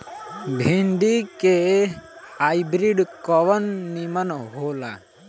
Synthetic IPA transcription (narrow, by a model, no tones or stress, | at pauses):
bʱĩnd̪ike | ajbɾiɖkɔʋənːimənɦoːla̰